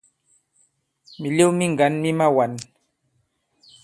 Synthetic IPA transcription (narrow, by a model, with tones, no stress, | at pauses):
mɪ˨ʎi˦wmɪ˦ŋɡa˨nmɪ˦ma˦wa˨n